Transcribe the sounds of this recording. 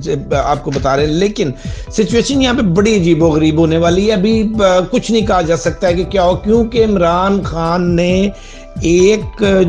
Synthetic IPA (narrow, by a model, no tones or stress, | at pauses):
ea̰ːp̚kobɐt̪aːɾeɦɛ̃leːkɪnsɪt͡ʃueːʃənjɐɦãpebɐɽiɐd͡ʒiːboɣɐɾiːbɦoːneʋaːliɐbʱikʊt͡ʃʰnɐɦĩkɐɦad͡ʒaːsɐk̚t̪aɦɛkekjaːoːkjõːkeɪmɾaːnxaːnːe | eːk